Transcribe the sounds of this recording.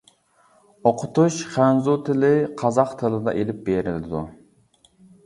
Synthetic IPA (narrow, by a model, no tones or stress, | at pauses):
oqʰʊt̪uʃχænzut̪ʰɪlɪqʰɑzɑqt̪ʰɨlˠɨd̪ɑ̰ʔelɪp̚beɾɪ̰lɪ̰d̪ṵ